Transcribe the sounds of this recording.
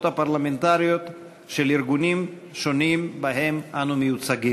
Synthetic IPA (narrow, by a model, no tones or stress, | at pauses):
t̪hapaʁlame̞nt̪aʁijo̞t̪ | ʃe̞liʁɡunim | ʃo̞nimbaɦe̞mʔanumejut͡saɡi